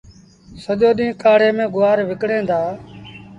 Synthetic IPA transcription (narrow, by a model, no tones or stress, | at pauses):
səʄoːɗĩːkaːɽeːmẽːɡʊʋaːɾʋɪkɽẽːnd̪aː